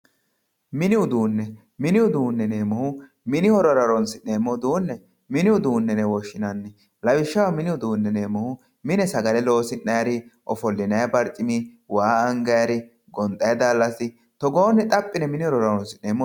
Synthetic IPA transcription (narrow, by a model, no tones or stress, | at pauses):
mɪnɪʊd̪uːnːɛ | mɪnɪwʊd̪uːnːɛne̞ːmːɔhʊ | mɪnɪhɔɾɔɾɐɾɔnsɪne̞ːmːɔd̪uːnːɛ | mɪnɪwʊd̪uːnːɛnɛwɔʃːɪnɐnːɪ | lɐwɪʃːɐwɐmɪnɪwʊd̪uːnːɛneːmːɔhʊ | mɪnɛsɐɡɐlɛlo̞ːsɪnːɐjɐɾɪʔɔfɔlːɪnɐjɐbɐɾt͡ʃʼɪmiwaːɐŋɡɐjɐɾɪ | ɡɔnt̪ʼːɐjɐd̪aːlːɐsɪ | t̪ɔɡoːnːɛt̪ʼɐpʼːɪnɛmɪnɪhɔɾɔɾɐɾɔnsɪneːmːɔ